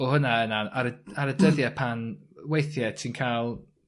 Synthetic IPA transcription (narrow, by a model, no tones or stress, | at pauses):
ɔhʊnaənaaɾəaɾədəðjɛpʰanwejθjɛtʰinkʰalˠ